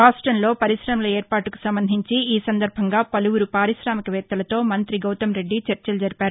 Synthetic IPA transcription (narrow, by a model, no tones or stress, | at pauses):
ɾaːsʈɾɐnlo̞ːpɐɾiʃɾɐːmɐlɐeːɾpaːʈuku̥sɐmbɐnd̪ʱiɲt͡ʃiiːsɐnd̪ɐɾbʱɐŋɡaːpɐluʋuɾupaːɾiʃɾaːmikɐʋɛːt̪ːɐlɐt̪o̞ːmɐnt̪ɾiɡɐwt̪ɐmɾe̞ɖːit͡ʃɐɾt͡ʃɐlɐd͡ʒɐɾipaːɾuu